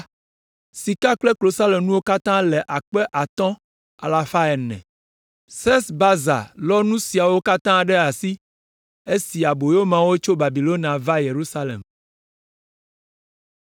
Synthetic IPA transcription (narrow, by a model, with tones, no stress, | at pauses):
si˨ka˦klɛ˦klo˨sa˦lɛ˨mnũ˦wo˦ka˦t̪ã˦lɛ˨ʔa˨k͡pɛ˦ʔa˨t̪ɔ̃˦ | a̰˨la˨fa˦ɛ˨nːɛ̰̃˨ | sɛ˦sba˦za̰˨lɔ˦nũ˦si˨a˨wo˦ka˦t̪ã˦ɖɛ˦a˨si˦ | e˦si˨a˨bo˨jo˦mã˨wo˦t͡ʃo˦ba˨bi˨lo˦n˨ã˨va˦je˨ɾu˦sa˦lḛ˨m